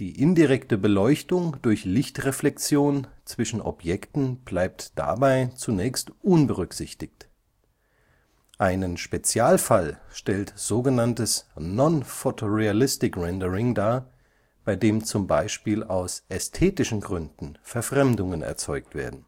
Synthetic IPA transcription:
d̥iːʔɪndiʁɛktəbəlɔʏçtʊŋd̥ʊɐçlɪçtʁeflɛkt͡sjoːnt͡sv̥ɪʃn̩ʔɔ̰pjɛktn̩b̥laɪp̚td̥a̰baɪt͡sunɛːçstʔʊnbəʁʏkz̥ɪçtɪçt | ʔaɪnənʃpet͡sjaːlfalʃtɛltz̥oːɡənantəsnɔnfotʰoʁealɪstɪkʁɛndəʁɪŋdaːɐ | b̥aɪdeːmt͡sʊmbaɪʃpiːlaʊsʔɛstʰeːtɪʃn̩ɡʁʏndn̩fɛɐfʁ̥ɛmdʊŋənɛ̰ɐt͡sɔ̰ʏk̚tv̥ḛːɐdn̩

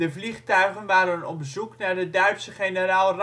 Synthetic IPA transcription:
dəvliχtœɥχənʋaːɾənɔ̰bəzuknaːɹdədœɥtsəχenəraːlˠr

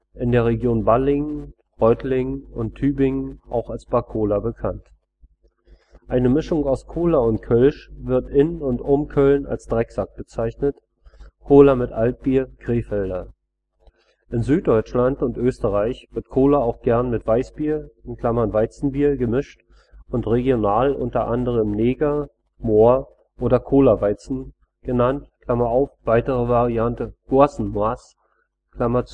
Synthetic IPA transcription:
ʔɪndeːɐʁ̞eɡjoːnbalɪŋn | ʁɔʏtlɪŋənʊntʰːyːbɪŋənʔa̰ʊxalsb̥akʰoːlabəkʰant | ʔaɪnəmɪʃʊŋaʊskʰoːlaʊntkʰœlʃvɪɐtʔɪnʊntʔʊmkʰœlna̰lsd̥ʁɛkz̥ak̚b̥ət͡saɪçnət | kʰoːlamɪtʔalt̚b̥iːɐɡ̥ʁeːfɛldɐ | ʔɪnzyːt̚d̥ɔʏt͡ʃlantʊntʔøːstəʁaɪçv̥ɪɐtkʰoːlɐaʊxɡ̥ɛɐnmɪtv̥aɪsb̥iːɐɪnkʰl̥amɐnvaɪt͡sn̩biːɐɡəmɪʃt | ʊntʁeɡjonaːlʔʊ̰ntɐʔandəʁ̞əmneːɡa | moːɐ | ʔoːɾɐkʰoːlɐvaɪt͡sn̩ | ɡ̥ənantkʰl̥amɐaʊfv̥aɪtəʁəvaʁiantəɡ̥ʊɐsn̩maːs | kl̥amɐt͡s

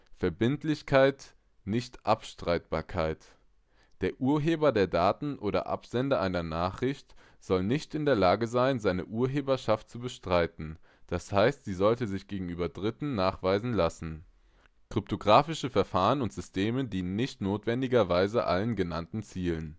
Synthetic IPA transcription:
fɛɐbɪntlɪçkʰaɪt | nɪçtʔapʃtʁ̥aɪt̚b̥aːɐkʰaɪt | d̥eːɐʔuːɐɦeːbɐdeːɐdaːtn̩ʔoːɾɐ̰ʔa̰pz̥ɛndɐʔaɪnɐnaːχʁ̥ɪçt | z̥ɔlnɪçtɪndeːɐlaːɡəzaɪnzaɪnəʔuːɐɦeːbɐʃaft̚t͡subəʃtʁ̥aɪtn̩d̥ashaɪstz̥iːzɔltəzɪçɡ̥eːɡŋ̩ʔyːbɐdʁɪtn̩naːχv̥aɪzn̩lasn̩ | kʁ̥ʏp̚tʰoɡʁaːfɪʃəfɛɐfaːʁənʊntz̥ʏstʰeːmədiːnənnɪçtnoːtv̥ɛndɪɡɐvaɪzəʔa̰lənɡənantn̩t͡siːlən

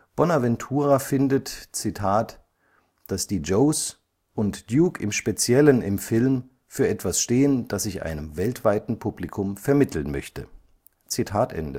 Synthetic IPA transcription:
b̥ɔnavɛntʰuːʁafɪndətt͡sitʰaːt | d̥asd̥iːd͡ʒoʊs | ʔʊntd̥juːkʰɪmʃpet͡sjɛlənɪmfɪlm | fyːɐʔɛtv̥asʃteːənd̥asɪçʔa̰ɪnəmvɛltv̥aɪtn̩pʰublikʰʊmfɛɐmɪtʰl̩nmœ̰çtə | t͡sitʰaːtʔɛ̰ndə̰

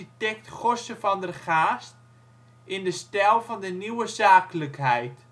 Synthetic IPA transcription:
itɛk̚tχɔsəfɔndərχaːst | ɪndəstɛlˠvɔndəniwəzaːkləkhɛjt

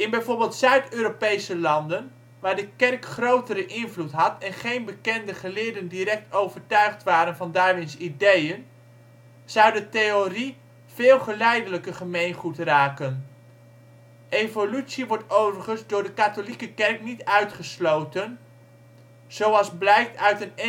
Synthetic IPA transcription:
ɪnbɛjvʊːɹbɪːlˠtsœɥtøːɾopejsəlɑndən | ʋaːɹdəkɛrkχrowtəɾəʔɪnvlutɦɑtɛnχejnbəkɛndəχəlɪːɹdəndiɾɛk̚towvəɹtœɥχtʋaːɾənvɑndaːɹʋɪnsidejən | z̥ʌwdətejori | v̥ɪːlˠχəlɛjdələkəχəmejnχutraːkən | ʔejvolytsiʋɔɹtowvəɹχənzdʊːɹdəkatolikəkɛrknitœɥtχəslowtən | z̥owɑlˠzblɛjk̚tœɥtən

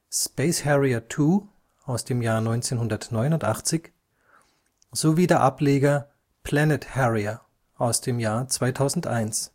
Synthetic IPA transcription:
speɪshɛʁiɐtʰuː | ʔaʊsd̥eːmjaːɐnɔʏnt͡seːnhʊndɐtnɔʏnʊntʔa̰χt͡sɪç | z̥oviːdeːɐʔapleːɡɐ | pʰl̥ɛnɪthɛʁiɐ | ʔaʊsd̥eːmjaːɐt͡sv̥aɪtʰaʊzn̩tʔaɪns

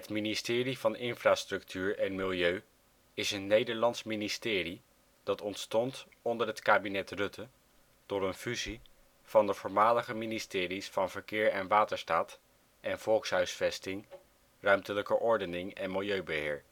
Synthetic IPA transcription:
ɦətministɪːrivɑnʔɪnfraːstrɵktʰyːɹɛnmɪlˠjøɥ | ɪsənːejdəɹlɑnsministɪːri | d̥ɑtɔntstɔnt | ɔndəɹɦətkaːbinɛtrɵtə | d̥ʊɾənfyzi | v̥ɑndəv̥ʊːɹmaːləχəministɪːrisfɑnvəɹkɪːɹɛnʋaːtəɹstaːt | ɛnv̥ɔlˠksɦœɥsfɛstɪŋ | rœɥmtələkəʔɔɹdənɪŋɛnmɪlˠjøɥbəɦɪːɹ

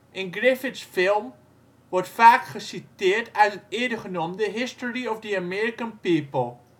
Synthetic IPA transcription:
ʔɪnɡrɪfɪtsfɪlˠm | ʋɔrtfaːkχəsitɪːərtʰœtənɪədəχənomdəɦɪstɔɹiɔfdəamɛɹikənpiːpəlˠ

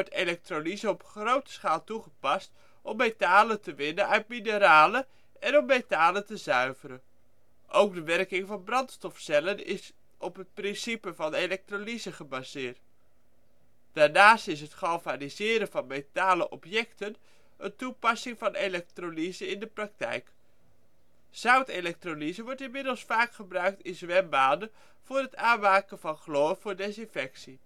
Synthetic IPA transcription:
ɔɹtelɛk̚trolizəɔpχrowtə̥sχaːlˠtuχəpɑst | ʔɔmːejtaːlətəʋɪnənœɥt̚minəɾaːlə | ɛnɔmːejtaːləntəzœɥvəɾə | ʔowk̚dəʋɛrkɪŋvɑnbrɑntstɔfsɛlənɪs | ɔpɦət̚prɪnsipəvɑnelɛk̚trolizəχəbazɪːɹt | d̥aːɹnaːstɪsɦətχɑlvanizɪːɾənvɑnmejtaːləʔɔpjɛktən | əntupɑsɪŋvɑnelɛk̚tronizəɪndəprɑk̚tɛ̰jk | z̥œwtelɛk̚tronizəʋɔɹtɪnmɪdəlˠsfaːkχəbrœɥk̚tɪnzʋɛmbaːndə | v̥ʊːrɦətaːnmaːkənvɑnχloːv̥ʊːɹdɛsɪnfɛksi

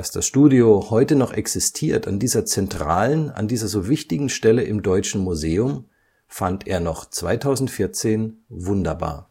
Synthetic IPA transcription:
asd̥asʃtuːdiohɔʏtənɔχʔɛksɪstʰiːɐta̰ndiːzɐt͡sɛntʁ̥a̰ːləna̰ndiːzɐzoːvɪçtɪɡŋ̩ʃtɛləʔɪmdɔʏt͡ʃn̩muzeːʊm | fantḛːɐnɔχt͡sv̥aɪtʰaʊzn̩tfɪɐt͡seːnvʊndɐba̰ːɐ

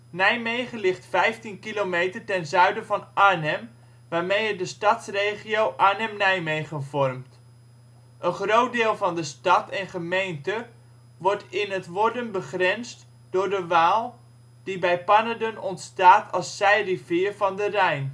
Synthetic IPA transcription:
nɛjmejχəlɪχtfɛjftinkilowmejtəɹtɛnzœɥdəvɑnaɹnɛm | ʋaːɹmejədəstɑtsrejχiowʔaɹnɛmnɛjmejχənvɔrmt | ʔənχrowt̚dɪːlˠvɑndəstɑtɛnχəmejntə | ʋɔɹtɪnɦətʋɔɹdənbəχrɛnst | d̥ʊːɹdəʋaːlˠ | d̥ibɛjpɑnadənɔntstaːtʰɑlˠsːɛjrivɪːɹvɑndərɛjn

